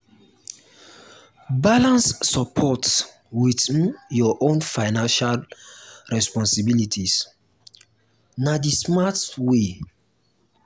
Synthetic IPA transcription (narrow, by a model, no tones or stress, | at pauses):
balãnsːɔpʰɔt | witjɔʔõnfaɪnãnʃalɹɛspɔ̃nsibilitis | nadismatwe